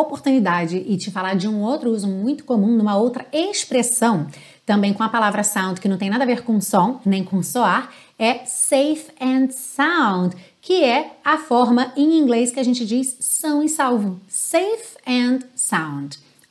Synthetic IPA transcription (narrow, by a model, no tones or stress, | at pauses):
opoɾt̪unid̪ad͡ʒɪʔɪt͡ʃɪfalaɾd͡ʒɪũowt̪ɾʊuzũmũj̃t̪ʊ̥komũd̪ũmɐowt̪ɾɐespɾesɐ̃w̃ | t̪ɐ̃mbẽj̃kõɐpalavɾɐsãw̃nd̪kɪnɐ̃t̪ẽj̃nad̪ɐaveɾkõsõnẽj̃kõsoaɾ | ɛsejfɛ̃nd̪sãw̃d̪kʰɪɛɐfɔɾmɐẽj̃ĩɡleskɪaʒẽnt͡ʃɪd͡ʒisːɐ̃w̃ɪsawvʊsejfɛ̃d̪sãw̃d̪